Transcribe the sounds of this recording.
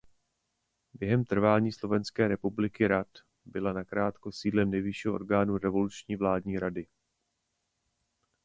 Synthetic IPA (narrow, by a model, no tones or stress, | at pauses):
bjɛɦɛmt̪r̩vaːɲiːslo̞vɛnskɛːɾɛpublɪkɪɾat̪ | bɪlanakɾaːt̪ko̞siːlɛmnɛjvɪʃiːɦoo̰ɾɡaːnuɾɛvo̞lut͡ʃɲiːvlaːdɲiːɾadɪ